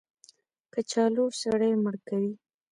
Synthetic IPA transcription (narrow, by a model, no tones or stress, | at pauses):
kət͡ʃɑlosaɽəjməɽkawi